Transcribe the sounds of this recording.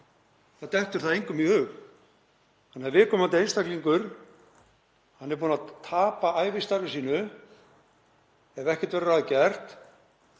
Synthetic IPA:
θat̪ɛht̪ʏɾ̥θaðejŋkʏmihʏɣ | hanːɛvɪkʰɔːmant̪ɪejnst̪akliŋkʏɾ̥ | hanːɛɾp̬uːnat̪ʰaːpaaːjvɪst̪aɾvʏsiːnʏ | ɛvɛhcɛ̥t̪vɛɾʏɾaːðcɛr̥t̪

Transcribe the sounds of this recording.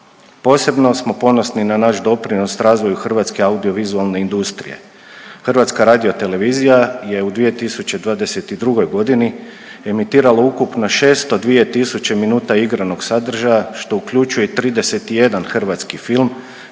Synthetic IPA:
po̞ːse̞bno̞smo̞po̞no̞sninanaʃd̪o̞pɾino̞sɾaːzʋo̞juxr̩ʋat̪ske̞aud̪io̞ʋizualˠne̞ind̪ust̪ɾḭe̞̰ | xrʋat̪skaɾaːd̪io̞t̪e̞le̞ʋizijaje̞ud̪ʋije̞t̪isut͡ɕe̞d̪ʋaːd̪e̞se̞t̪id̪ɾuɡo̞jɡo̞d̪ini | e̞mit̪iːɾalaukupno̞ʃe̞ːst̪o̞d̪ʋije̞t̪isut͡ɕe̞minuːt̪aiɡɾano̞ɡsad̪r̩ʒajaʃt̪o̞ukʎʲut͡ʃujet̪ɾiːd̪e̞se̞t̪ije̞d̪anxr̩ʋat̪skifilm

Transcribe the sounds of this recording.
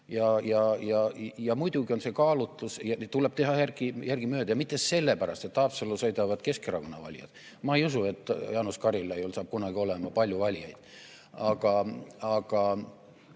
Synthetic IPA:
jɑjɑjɑjɑmujd̪̥uɡionse̞kɑːlut̪ˑːusjɑt̪uleb̥t̪e̞ɦɑjærɡ̥ijærɡ̥imøːd̪̥ɑjɑmit̪ːˑese̞lːepæɾɑ̰st̪et̪ːˑɑːpselːosɤjd̪ɑvɑd̪̥ke̞skeɾɑkonːɑ̰vɑ̰lʲijɑ̰d̪̥ | mɑejusue̞t̪ːˑjɑːnuskɑɾilːɑejolsɑːb̥̚kunɑɡ̥io̞lemɑpɑlʲjuvɑlʲijɑjd̪̥ | ɑɡ̥ɑɑɡ̥ɑ

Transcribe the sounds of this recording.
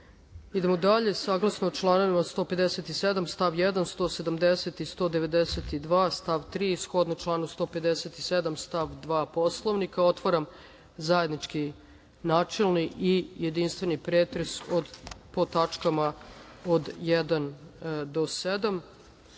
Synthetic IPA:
id̪emod̪aʎe̞saːɡlˠasnot͡ʃlˠaːnoʋimast̪o̞pe̞d̪eset̪ised̪amst̪aʋjɛd̪anst̪o̞ːse̞d̪amd̪eset̪ist̪o̞ːd̪eʋe̞d̪eset̪id̪ʋaːst̪aʋt̪ɾiːsxo̞d̪not͡ʃlˠaːnust̪o̞ːpe̞d̪eset̪ised̪amst̪aʋd̪ʋaːpo̞slˠoʋnikao̞t̪ʋoɾam | zaje̞d̪nit͡ʃki | naːt͡ʃelˠniʔije̞d̪inst̪ʋe̞nipɾeːt̪ɾesod̪po̞t̪at͡ʂkama | od̪jɛd̪and̪o̞sed̪am

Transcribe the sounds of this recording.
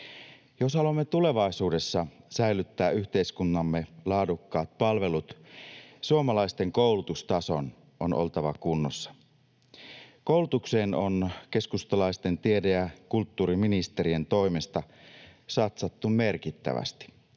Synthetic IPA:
joshɑluomːet̪ule̞ʋɑisuːde̞sːɑsæjlyt̪ːæːyçt̪e̞iskunːɑmːelɑːdukːɑːt̪̚pɑlʋe̞lut̪ | suomɑlɑist̪e̞ŋkowlut̪ust̪ɑso̰n | ʔo̞̰nʔo̰lt̪ɑʋɑkunːosːɑ̥ | kouwlut̪ukseːnonke̞skust̪ɑlɑist̪e̞nt̪iedejækult̪ːuːɾiminist̪e̞ɾie̞nt̪o̞imest̪ɑsɑt̪sɑt̪ːummerkit̪ːæ̰ʋæ̰st̪i̥

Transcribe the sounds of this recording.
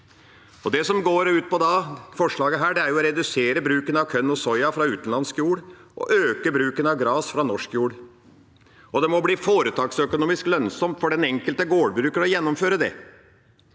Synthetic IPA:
ɔd̪ɛsɔmɡoːɾʉːt̪̚pʰɔd̪ɑfɔʂɭɑːɡəɦæːɖɛæɾjʊɔɾɛd̪ʉseːɾəbɾʉːkənɑʋkʰœnːɔsɔʏɑfɾɑʉːt̪ən̩lɑnskjuːɽʔɔ̰ʔøːkəbɾʉːkənɑʋɡɾɑːsfɾɑnɔʂkjuːɽ | ɔd̪ɛmɔbliːfoːɾət̪ʰɑːksœkʊnuːmɪsklœnsɔmt̪fɔɖɛnɛŋkəlt̪əɡoːɽbɾʉːkənɔjɛnːɔmføːɾəd̪ɛ̰

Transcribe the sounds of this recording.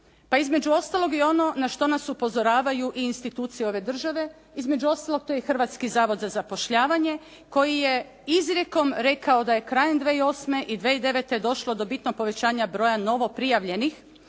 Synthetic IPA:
paizme̞d͡ʒuo̞st̪alo̞ɡio̞no̞naʃt̪o̞nasupo̞zo̞ɾaːʋajuʔiːnst̪it̪uːt̪sijeo̞ʋe̞d̪r̩ʒaʋe̞ | izme̞d͡ʒuo̞st̪alok̚t̪o̞jexr̩ʋat̪skizaːʋo̞d̪zazapo̞ʃʎaːʋaɲe̞ | ko̞jije | izɾʲje̞ko̞mɾe̞kaod̪aje̞kɾaːjend̪ʋeio̞ːsme̞ʔid̪ʋe̞id̪e̞ʋet̪e̞d̪o̞ʃlˠo̞d̪o̞bit̪noɡ̚po̞ʋet͡ɕaːɲabɾo̞ːjano̞ʋo̞pɾijaʋʎe̞nix

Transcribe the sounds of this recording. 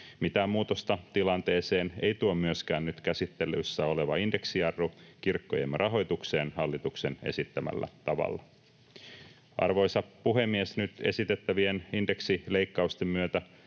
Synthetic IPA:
mit̪æːmmuːt̪ost̪ɑt̪ilɑnt̪e̞ːse̞ːnejt̪uommyøsk̟æːnnyt̪kæsit̪ːe̞lysːæo̞le̞ʋɑinde̞ksiɑrːokirkːojemrʔɑɦo̞jt̪ukse̞ːnhɑlːit̪ukse̞ne̞̰sit̪ːæmæ̰lːæ̰t̪ɑʋɑ̰lːɑ | ɑ̰rʋo̞jsɑpuɦe̞mːiesnyt̪e̞̰sit̪e̞t̪ːæʋieninde̞ksile̞ikːɑust̪emmyøt̪æ

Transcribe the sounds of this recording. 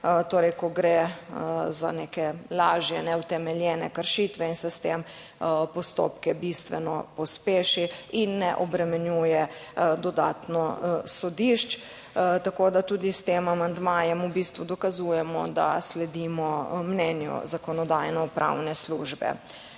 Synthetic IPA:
t̪oːɾɛjkɔɡɾe | za̰nekɛlaːʒjɛnɛwt̪ɛmɛljɛnɛkəɾʃit̪ʋɛinsɛst̪em | pɔst̪o̰ːpkɛbist̪ʋɛnɔ̰pɔspeːʃiinːɛʔɔbɾɛmɛnjujɛd̪ɔd̪a̰ːt̪nɔsɔd̪iʃt͡ʃ | t̪akod̪at̪uːd̪ist̪emamand̪maːjɛmubist̪ʋud̪ɔkazujɛmɔ̰d̪a̰slɛd̪iːmɔmnɛnjɔ̰zakɔnɔd̪ajnɔpɾʔa̰wnɛsluːʒbɛ̰

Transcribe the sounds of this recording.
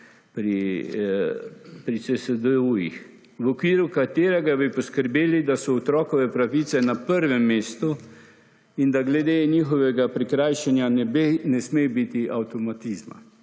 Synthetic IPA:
pɾi | pɾisɛsɛd̪əujix | wɔkʋiːɾukat̪eːɾɛɡabipɔskəɾbeːlid̪asɔɔt̪ɾɔːkɔʋɛpɾaʋiːt̪sɛnapəɾʋɛmːeːst̪u | ind̪aɡlɛd̪eniːxɔʋɛɡapɾikɾajʃɛnjanɛbenɛsmejbit̪iʔawt̪ɔmat̪izma̰

